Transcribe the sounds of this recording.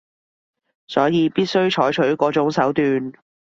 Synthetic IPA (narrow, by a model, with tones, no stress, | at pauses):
sɔː˨˥jiː˨˧piː˥t̚sɵ˥ɥt͡ʃʰɔː˨˥jt͡ʃʰɵ˨˥ɥkɔː˨˥t͡sʊ˨˥ŋsɐ˨˥wt̪yː˨n